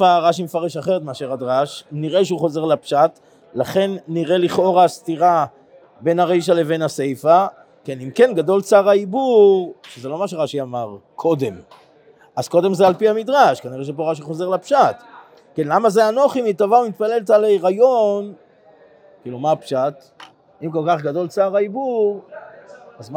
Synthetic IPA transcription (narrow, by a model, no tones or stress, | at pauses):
aʁaʃ̬imefaʁe̞ʃaχeʁet̪meaʃeʁad̪ʁaʃniʁe̞ʃeuχo̞ze̞ʁlapʃat | laχe̞nːiʁe̞liχo̞ʁaːst̪iʁa | be̞naʁejʃ̬ale̞ve̞nase̞jfa | ke̞nimke̞nɡado̞lt͡saʁaibuʁʃezelo̞maʃeʁaʃiamaʁkʰo̞de̞m | az̥ko̞de̞mzealpiamid̪ʁaʃkaniʁeʃ̬epo̞ʁaʃ̬iχo̞ze̞ʁlapʃat | ke̞nlamazeano̞χimitavaumit̪̚pale̞lt̪alejʁajo̞n | kiːlumapʃat | imko̞lkaχɡado̞lt͡saːʁaibuʁ | azm